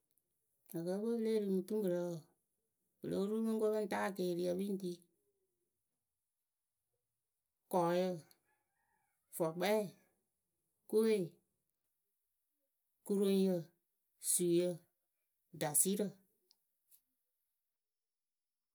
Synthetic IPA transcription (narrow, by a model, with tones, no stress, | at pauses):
a˨kɜ˧˦ɓə˦leː˦ɾɨ˧˨ŋ˧tu˦ŋ˦ɡə˨ɾə˨˦˨ | kə̰˨ə̰˦ɾu˦mə̃˦ŋ˦ko˦mə̃˦˨taː˦˨keː˨ɾi˧a˧wi˦n˦t̬iː˦ | kɔː˨˦jə˧ | fɔ˨k͡pɛ˦˨ | ko˦we˦˨ | ku˧ɾo˧ŋjə˧ | su˨jə˧ | da˨si˦ɾə˧˨